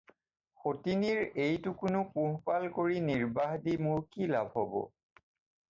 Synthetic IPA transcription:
xotiniɹejtʊkʊnʊpʊɦpalkoɹiniɹbaɦdimʊɹkila̰bʱɦɔbɔ̰

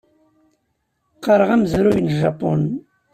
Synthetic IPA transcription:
qɑɾˤəʁæmzɾujnʒɑpon

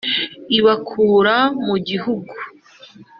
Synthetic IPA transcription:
iβakʰuːɾamuɟiɦuɡu

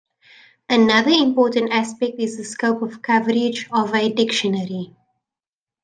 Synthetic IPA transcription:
ənaðəɪ̃mpɔːtə̃ntæspɛk̚tɪzðəskoʊpɔv̥kʰavəɹɪd͡ʒɔvədɪkʃənəɹi

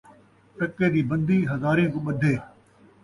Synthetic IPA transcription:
ʈɐkːeːd̪iːbə̃nd̪iːɦɐzaːɾĩkõːɓəd̪ʱeː

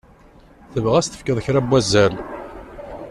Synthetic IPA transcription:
θəvʁæst̪ə̥fkəðˤçɾæbwæzːæl

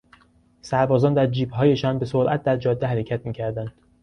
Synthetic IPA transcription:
sæɾbɒːzɒːnd̪æɾd͡ʒiːbɦɒːje̞ʃɒːnbe̞soɾʔæt̪̚d̪æɾd͡ʒɒːd̪ːeɦæɾecʰæt̪miːcʰæɾd̪ænd̪̥

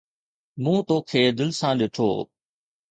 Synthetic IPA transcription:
mũːt̪oːkʰeːd̪ɪlsãːɗɪʈʰo̰ː

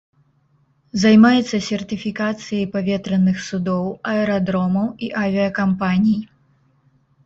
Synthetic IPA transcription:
zajmajɛt̪sːɐsʲɛrt̪ɨfʲikat̪sɨjɐjpavʲɛt̪ɾɐnːɨxsud̪ɔwɐɛɾad̪ɾɔmɐwiʔavʲiɐkampanʲij

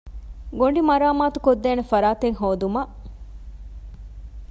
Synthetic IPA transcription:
ɡoɳɖimɐɾaːmaːt̪u̥kod̪ːeːnefɐɾaːt̪eŋɦoːd̪umɐʔ

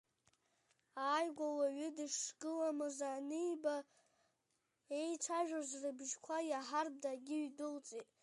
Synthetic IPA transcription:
aːjɡʷawaɥʏdɨʂɡɨlamɨzanɨjba | e̞jʈ͡ʂʷʰaʒᶣazʷrɨbʒkʷʰajaħarb̚daɡʲɪɥdɨlt͡sʼitʼ

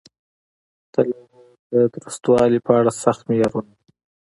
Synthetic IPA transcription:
t̪əla | d̪əɡ̪ɾəst̪wɑlipəaɽasaxt̪mejɑɾuna

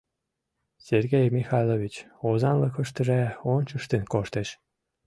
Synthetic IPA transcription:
serɣejmixɑjlˠovit͡ɕ | ozɑnləkə̆ʃt̪ə̆ʒæonʲt͡ɕəʃt̪enkoʃt̪eʃ

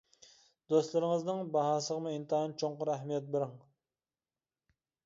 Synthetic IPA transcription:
d̪̥ost̪lˠɨɾɪŋəznɨŋbɑɦɑːsəʁəmuint̪ɨɦɑnt͡ʃʰoɴqʊɾɛɦmijɛt̪̚bɪɾɪŋ

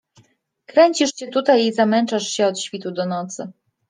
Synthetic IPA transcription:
kɾɛɲt͡ɕiʂɕɛt̪ut̪ajizamɛnt͡ʂaʂɕɛɔt̪ɕfʲit̪ud̪ɔnɔt̪sɘ

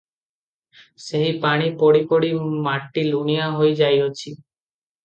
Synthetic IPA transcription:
seɦipaɽ̃ipoɽipoɽimaʈːiluɳijaɦojd͡ʒajot͡ʃʰi

